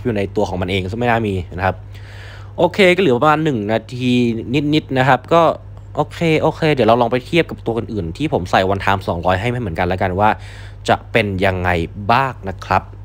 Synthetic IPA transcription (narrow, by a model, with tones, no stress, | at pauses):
p̚juː˨˩na˧jt̪u˧ɐkʰɔː˩˦ŋma˧nʔeː˧ŋsɯ˧˥˩m˥˩naː˥˩miː˧na˦˥kʰa˦˥p̚ | ʔoː˧kʰeː˧kɔː˥˩lɯ˩˦pa˧maː˧nːɯ˨˩ŋnaː˧t̪ʰiː˧ni˦˥t̪̚ni˦˥t̪̚na˦˥kʰa˦˥p̚kɔː˥˩ | ʔoː˧kʰeː˧ʔoː˧kʰeː˧di˩˦wɾa˧wlɔː˧ŋpa˧jt̪ʰi˥˩p̚ka˨˩p̚t̪u˧ɐʔɯ˧nʔɯː˨˩nt̪ʰiː˥˩pʰo˩˦msa˨˩jwa˧nt̪ʰaː˨˧˥msɔː˩˦ŋɾɔː˦˥jɦa˥˩jma˥˩m˩˦ə˦nka˧nlɛ˦˥ka˧nwaː˥˩ | t͡ɕa̰˨˩ʔpe˧nja˧ŋːa˧jbaː˥˩k̚na˦˥kʰɾa˦˥p̚